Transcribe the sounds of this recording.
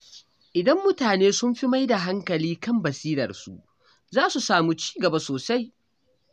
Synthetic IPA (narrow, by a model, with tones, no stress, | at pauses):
ʔɪ˨dɐ˦mːʊ˦taː˨neː˦sʊ˦mɸi˦ma˦jda˨ɦa˦ŋkɐ˨liː˦kɐ˦˨mbɐ˨siː˦ɾɐ̰˨rsṵ˦ʔ | zaː˦su˨saː˨mu˦t͡ʃi̥ː˦ɡɐ˨ba˦soː˨sa˦j